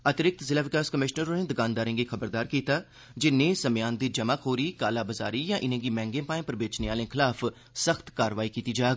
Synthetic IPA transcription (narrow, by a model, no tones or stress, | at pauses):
ət̪ɪɾɪk̚t̪zɪlaːʋɪkaːskəmɪʃnəɾoːneːd̪əɡãːnd̪aːɾẽːɡiːkʰəbəɾd̪aːɾkiːt̪aː | d͡ʒɪnẽːsəmjãːnd̪iːd͡ʒəmakɦoːɾiːkaːlaːbəza̰ːɾiːjãːʔɪnẽːɡiːmɛ̃ːŋɡẽːpaːẽːpəɾbeːt͡ʃneːaːlẽːkʰɪlaːfʰ | səxt̪kaːɾʋaːiːkiːt̪iːd͡ʒaːɡ